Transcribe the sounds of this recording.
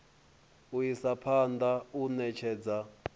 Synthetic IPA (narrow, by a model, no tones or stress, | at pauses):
ujisapʰandʱaunɛt͡ʃʰɛːd͡za